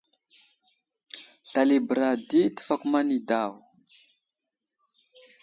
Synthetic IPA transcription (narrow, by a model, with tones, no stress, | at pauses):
ɬa˨li˨bɾa˨di˦ti̥˦˨fa˨ku˦ma˦ni˨da˦˨w